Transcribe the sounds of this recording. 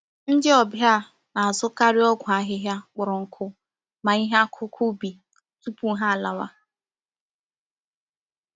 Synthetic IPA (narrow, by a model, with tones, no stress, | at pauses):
n̩˦dɪ˦ɔ˨bja˦ | na˨a˨zʊ˦ka˦ɾɪ˦ɔ˦ɡʷa˨ɦɪ˦ɦja˦k͡pʊ˨ɾʊ˨ŋ̩˨kʰʊ˦ | ma˨i˦ɦa˦kʰʊ˦kʰʊ˦bi˨ | tu˦pu˦ɦa˦a˨la˨wa̰˦